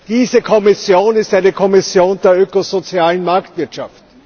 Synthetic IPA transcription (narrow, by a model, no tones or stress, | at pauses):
d̥iːzəkʰɔmɪsjoːnɪstæɪnəkʰɔmɪsjoːndeːɐʔøːkozot͡siaːlən̩maɐktv̥ɪɐtʃaft